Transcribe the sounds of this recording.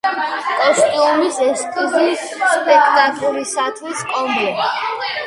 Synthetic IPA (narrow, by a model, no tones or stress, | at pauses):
ɛskʼimisɛskʰʼibis | spʼɛkʰt̪ʼakʼluɾisat̪ʰwiskʼɔmɛ